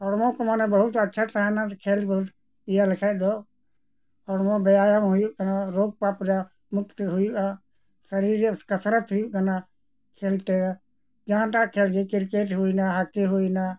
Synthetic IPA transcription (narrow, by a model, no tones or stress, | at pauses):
ɔɾmɔ̃kɔmanɛbəɦʊt̪ətːt͡ʃʰat̪aanakʰeːlbəɦut̪ | ijaləkʰad̪ɔ | ɔɾmɔ̃bəjajamɦujuʔkənaɾoːɡ̚paːpɾa | mʊkt̪ɦujuʔa | səɾiɾəskəsɾət̪ɦʊjuʔkana | kʰeːlt̪e | d͡ʒaãʈaʔkʰeːlɡekɪɾkeʈɦuinaɦakːiɦuina